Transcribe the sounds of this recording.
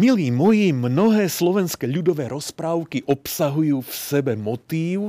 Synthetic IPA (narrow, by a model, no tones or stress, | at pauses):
miliːmɔjimnɔɦɛːslɔʋɛnskɛʎud̪ɔʋɛːɾɔspɾaːʊkiʔɔpsaɦujuːfsɛbɛmɔt̪iːʊ